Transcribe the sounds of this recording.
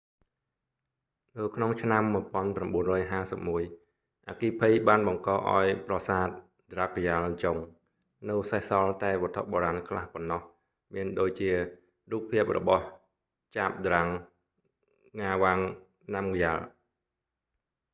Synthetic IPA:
nɨwkʰnoŋt͡ɕʰnamːuəjpŏənpramɓuənrɔːjɦaːsəp̚muəj | ʔaːkiːpʰɨjɓaːnɓɑŋkɑːʔa̰ɔjprɑsaːt̪̚ | d̪rak̚jalt͡ɕoŋ | nɨwsahsɑlt̪aɛʋɔt̪ʰːoʔɓoːɾaːnkʰlahponːɑh | miənɗoːc̚t͡ɕiə | ruːk̚pʰiəp̚rɔ̰ɓɑh | t͡ɕaːp̚d̪raŋ | ŋaːʋaŋ | namkjaːl

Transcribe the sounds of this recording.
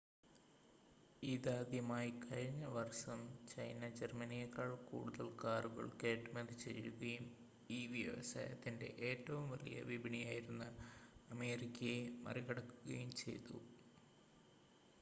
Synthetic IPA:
iðaːd̪jɐmaːjikʰɐɻiɲːɐʋɐrʂɐmt͡ɕɐjnɐd͡ʑermɐnijɐkːɐɭkṵːɽuðɐlkaːruɣɐ̰ɭkeːʈːmend̪ɨt͡ɕe̞̰juɣɐjum | iːʋjɐʋɐ̰sa̰ːjɐ̰t̪ːinde̞̰ʔeːtːɐʋumʋɐ̰lḭjɐ̰ʋibiɳijaːjiɾunːɐɐme̞ːrikʲːɐjemɐ̰riɣɐɽɐkːuɣɐjumt͡ɕe̞̰jt̪ṵ

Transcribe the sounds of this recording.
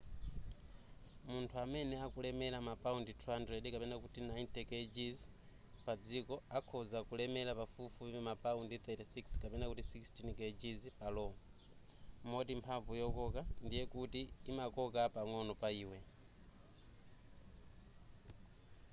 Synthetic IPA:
muntʰuamɛnɛakulɛmɛlamapaunditʰuandɾɛdikapɛnakutinajnt̪ɛkɛd͡ʒiz | pad͡zikɔakʰɔzakulɛmɛlapafufuβiɛmapaundiθɛtisikskapɛnakutisikstʰinkɛd͡ʒizpalɔŋ | mɔtimpʰaɱvujɔkɔkandijɛkutiːmakɔkapaŋɔnɔpaiːwɛ

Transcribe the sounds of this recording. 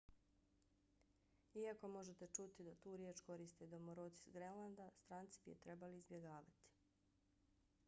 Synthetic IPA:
iako̞mo̞ʒet̪e̞t͡ʃut̪id̪at̪uːɾjeːt͡ʃko̞ɾist̪ed̪omoɾot̪i̥zɡɾenlˠand̪ast̪ɾaːnt̪si̥bijḛt̪ɾe̞baliːzbje̞ɡaːʋat̪i̥

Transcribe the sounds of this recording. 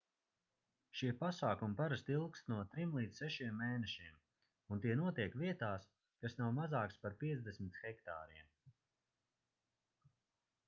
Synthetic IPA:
ʃiɛpasaːkumpaɾast̪ilˠkst̪nuɔt̪ɾimlˠiːd̪zsɛʃiɛmːeːnɛʃiɛm | unt̪iɛnuɔt̪iɛkviɛt̪aːs | kasnawmazaːkspaɾpiɛzd̪esmit̪xɛkt̪a̰ːɾiɛm

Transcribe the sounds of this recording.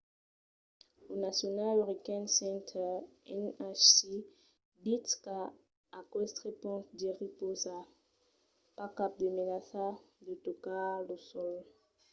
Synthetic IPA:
onasjɔnalameʁikɛ̃nsɛ̃ntʰɛɛ̰nasi | bitka | akwɛst̪χepɔ̃tdeʁipoza | pakap̚demelasadetokalosɔl

